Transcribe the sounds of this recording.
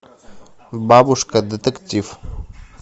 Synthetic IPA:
baːbuʂkɐd̪ɐt̪əkt͡sif

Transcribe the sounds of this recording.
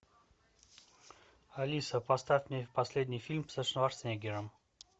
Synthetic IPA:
ɐlʲisəpɐst̪afʲmʲnʲepɐsʲlʲed̪ʲnʲijfʲilʲmpsəʂnvaɾsʲnʲeɡʲɪɾəm

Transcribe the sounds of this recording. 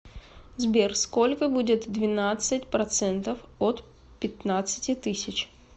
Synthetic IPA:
zbʲerskolʲkəbudʲɪt̪d̪vʲɪnat̪sɨtʲpɾɐt̪sɛnt̪əfot̪ | pʲɪt̪nat̪sɨ̥tʲɪt̪ɨsʲɪt͡ɕ

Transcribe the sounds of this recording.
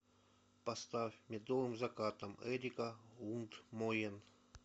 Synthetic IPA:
pɐst̪afʲmʲed̪ovɨmzɐkat̪ɐmɛɾʲikaunt̪mojɛn

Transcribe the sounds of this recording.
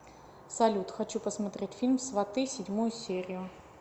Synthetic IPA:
sɐlʲut̪xɐt͡ɕupəsmɐt̪ɾʲetʲfʲilʲmsvɐt̪ɨsʲɪdʲmujʊsʲeɾʲɪjʊ

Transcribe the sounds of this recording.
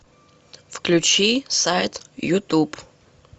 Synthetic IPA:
fklʲut͡ʃisajt̪jut̪up

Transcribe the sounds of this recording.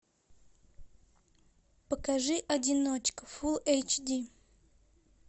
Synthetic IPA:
pəkaʐɨʔɐdʲɪnot͡ɕkəfulˠejt͡ɕdʲi

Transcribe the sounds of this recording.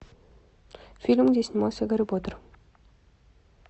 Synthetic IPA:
fʲilʲmɡdʲesʲnʲimalˠsʲəɡɐɾɪbot̪ər

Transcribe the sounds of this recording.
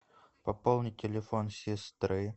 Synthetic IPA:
pɐpolˠnʲɪtʲɪlʲɪfonsʲɪst̪ɾɨ

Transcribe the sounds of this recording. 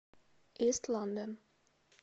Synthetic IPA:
ʔistʰlɔ̃ndə̃n

